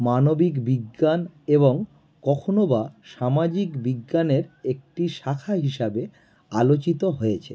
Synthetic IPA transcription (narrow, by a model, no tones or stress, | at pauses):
manobikbiɡːaneβoŋ | kɔkʰonobaʃamad͡ʑikbiɡːaneɾek̚ʈiʃakʰaɦiʃabe | alot͡ɕit̪oɦojet͡ɕʰe